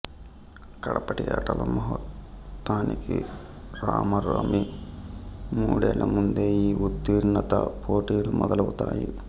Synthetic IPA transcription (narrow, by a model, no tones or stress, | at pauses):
kɐɽɐpɐʈijɐːʈɐlɐmɐɦɐt̪ːaːniki | ɾaːmɐɾoːmi | muːɽɛːlɐmund̪eːiːut̪ːiɾɳːɐt̪ɐpʰoːʈiːlumɔd̪ɐlɐwut̪aːji